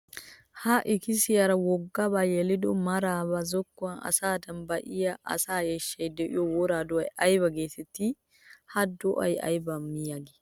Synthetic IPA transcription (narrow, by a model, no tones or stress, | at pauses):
haʔɪkɪsɪjɐɾɐwɔɡːɐbajɛlɪd̪ɔ̰mɐɾaːbɐzɔkːʊɐnɐ̰saːd̪ɐmbɐʔɪjɐʔɐ̰saːjɛʃːɐjd̪ɛʔɪ̰jɔwɔɾaːd̪ɔɐjʔɐjbɐɡeːt̪ɛt̪ːi | hɐd̪ɔʔɐ̰jɐ̰jbɐmːɪjaɡɪ̥